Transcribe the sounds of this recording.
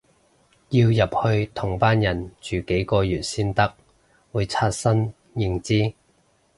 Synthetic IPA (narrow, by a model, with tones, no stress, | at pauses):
ji˧wjɐ˨p̚hɵ˧ɥt̪ʰʊ˨˩ŋpaː˥njɐ˨˩nt͡ʃyː˨˩ke˨˥jkɔː˧jyː˨˩t̚siː˥nt̪ɐ˥k̚ | wuː˨˧jt͡sʰaː˧t̚sɐ˥n | jɪ˧ŋt͡siː˥